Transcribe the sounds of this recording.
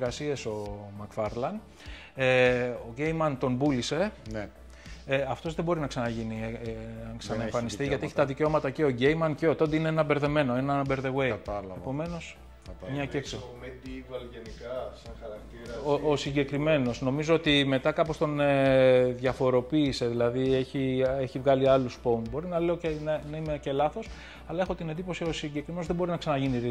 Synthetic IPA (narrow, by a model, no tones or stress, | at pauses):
ɣɐsieso̞mɐkfɐɾlɐn | eo̞ʝe̞jmɐnt̪o̞nbulise̞n | ɐft̪o̞zðebo̞ɾinɐksɐnɐʝini | ksɐnɐefɐnist̪iʝɐt̪ieçi̥t̪ɐðice̞o̞mɐt̪ɐceo̞ɟejmɐnceot̪ond̪eineenɐbeɾðe̞me̞no̞e̞nɐbe̞ɾðe̞ɣwe̞t̪epo̞me̞no̞s | mɲɐeksovɐlʝenikɐɾɐkt̪iɾosiɲɟe̞kɾime̞no̞sno̞mizo̞ot̪ime̞t̪ɐkɐpo̞st̪o̞neðʝɐfo̞ɾo̞piːse̞ðilɐðie̞çieçivɣɐliɐluspounbo̞ɾinɐle̞ocenɐnɐimece̞lɐθo̞s | ɐlɐe̞xo̞t̪ine̞nd̪ipo̞sio̞siɲɟe̞kɾimenoðe̞bo̞ɾinɐksɐnɐʝiniɾi